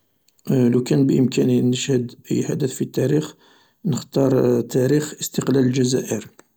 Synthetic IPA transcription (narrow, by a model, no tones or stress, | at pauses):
lukænbʔəmkæninəʃhəd̪̰jħad̪əθfit̪ːæɾix | nəxt̪ɑɾˤt̪ːæɾixəst̪əqlæləlʒæzæ̰ʔəɾ